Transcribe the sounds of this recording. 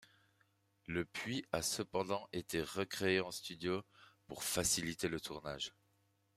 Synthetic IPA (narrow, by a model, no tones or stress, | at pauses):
ləpɥiasəpɑ̃d̪ɑ̃ʔet̪eʁəkχeeɑ̃st̪yd̪jopuʁfasilit̪elət̪ʰuʁna̰ːʒ